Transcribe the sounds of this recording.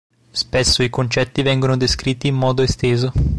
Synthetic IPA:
spesːoikont͡ʃɛt̪ːivɛŋɡonod̪eskɾit̪ːiːmːɔːd̪oest̪eːzo

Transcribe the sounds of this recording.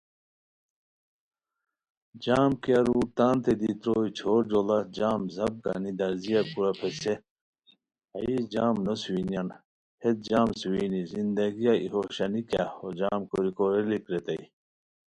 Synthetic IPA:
d͡ʑaːmkijɐɾuːt̪aːnt̪ed̪it̪ɾoːit͡ɕʰoːɾd͡ʑolɐd͡ʑaːmzɐb̚ɡa̰nid̪ɐɾzijakuɾɐpʰese | ɐid͡ʑaːmnosinjɐn | het̪̚d͡ʑaːmsuwinizind̪ɐɡijaḭhoɕɐnikjahod͡ʑaːmkoɾikoɾelikɾet̪ɐi

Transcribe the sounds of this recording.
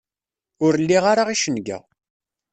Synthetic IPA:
ʊɾlːiʁaɾaʁiʃənɡæ̰

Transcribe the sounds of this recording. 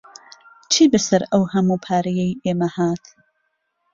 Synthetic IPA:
t͡ʃʰiːbɐsɐɾɐwhɐmuːpʰaːɾijejʔeːmɐhaːt̪

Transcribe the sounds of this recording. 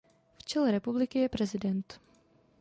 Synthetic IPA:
ft͡ʃɛlɛɾɛpublɪkɪjɛpɾɛzɪdɛnt̪

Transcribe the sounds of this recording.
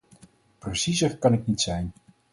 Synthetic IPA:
prəsizərkɑnɪknitsɛjn

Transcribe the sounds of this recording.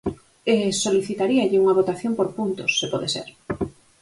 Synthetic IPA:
esoliθit̪aɾiaʎɪuŋɐβ̞ot̪aθjompoɾpunt̪osːepɔðesḛɾ

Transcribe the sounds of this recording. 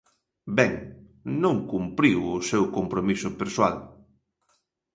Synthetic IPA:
bɛŋ | nõŋkumpɾiwʊsewkompɾomisʊpeɾswa̰l

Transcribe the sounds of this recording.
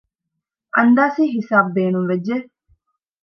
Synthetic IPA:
ʔɐnd̪aːsiːɦisaːb̚beːnuŋʋed͡ʒːe

